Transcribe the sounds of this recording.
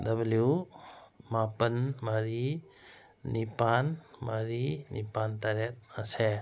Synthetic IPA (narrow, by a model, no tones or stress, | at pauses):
dɐblju | mapənmɐɾi | nipanmɐɾinʔḭpant̪aɾet̪̚ɐse